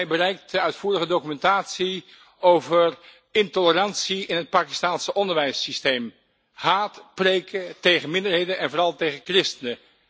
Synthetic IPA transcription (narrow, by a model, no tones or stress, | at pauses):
jbərɛjk̚təœɥtfuːrəχədowkymɛntaːtsi | owvər | ɪntolərɑnsiɪnɦət̚paːki̥staːnsəʔɔndəɹʋɛjsistejm | haːtprejkətejχənmɪndəɹɦejdənɛnvʊːrɑlˠtejχəkrɪstənə